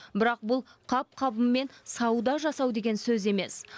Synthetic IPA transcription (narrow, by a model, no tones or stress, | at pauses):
bɪɾɑq̚bʊlˠqʰɑp̚qʰɑbəmːe̞nsɑwd̪ɑʒɑsɑwd̪e̞ɡʲe̞nsɵze̞me̞s